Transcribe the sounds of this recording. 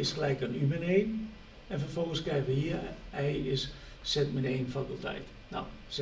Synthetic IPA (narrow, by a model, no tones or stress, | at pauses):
ɪsklɛjkənyməneːn | ɛnfərfolˠɣənskɛjʋəhiəɛjɪs | sɛtmɪneːnfakylˠtʰɛ̰jt | na̰ws